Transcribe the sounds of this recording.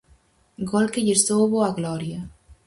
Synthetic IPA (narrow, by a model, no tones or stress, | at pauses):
ɡɔlkeʎest̪owβoaɣlɔɾja